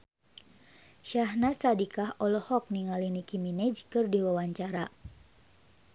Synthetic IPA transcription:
ʃaɦnasadikaɦɔlɔhɔk̚niŋalinikiminɛd͡ʒkɨrdiwawaɲt͡ʃaɾa

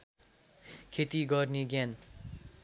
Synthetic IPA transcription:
kʰet̪iɡʌrneɡjan

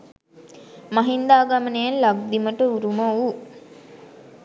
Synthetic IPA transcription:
maɦind̪aːɡamənejanlaɡ̚d̪iməʈəuɾuməu

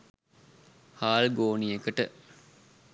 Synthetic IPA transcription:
haːlɡoːnijekəʈə

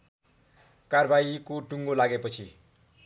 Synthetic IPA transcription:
karbʱaikoʈuŋɡolaɡepʌt͡sʰi

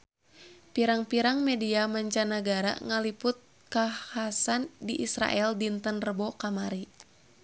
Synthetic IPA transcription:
piɾaŋpiɾaŋmɛdiamaɲt͡ʃanaɡaɾa̰ŋalipʊt̪̚ | kahasandiʔisɾa̰ʔɛldint̪ənrəbɔkamaɾi

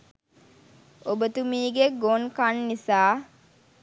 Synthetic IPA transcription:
obət̪umiːɡeɡonkanːisaː

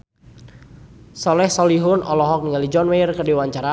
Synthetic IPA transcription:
sɔlɛhsɔliɦʊnɔlɔɦɔk̚niŋalid͡ʒɔnwɛrkədiwaɲt͡ʃaɾa

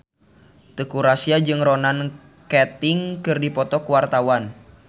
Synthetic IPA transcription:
t̪əkuɾasiad͡ʒɨŋrɔnan | kɛt̪ɪŋkɨrdipɔt̪ɔkuwart̪awan

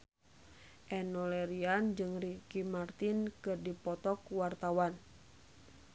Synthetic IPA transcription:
ʔɛnɔlɛɾiand͡ʒɨŋrikimart̪inkɨrdipɔt̪ɔkuwart̪awan

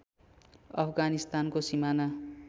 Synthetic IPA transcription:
ʌ̰pʰɡanist̪ankosimana

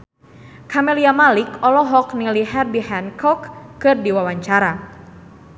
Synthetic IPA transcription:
kʰamɛliamalikɔlɔɦɔk̚niliɦɛrdihɛnkʰɔkːɨrdiwawaɲt͡ʃaɾa

